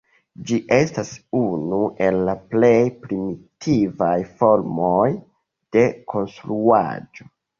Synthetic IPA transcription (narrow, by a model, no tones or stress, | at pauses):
d͡ʒiʔe̞stasunuʔe̞lːaple̞jpɾimitʰivajfo̞ɾmo̞j | d̥e̞kʰo̞nstɾua̰d͡ʒo̞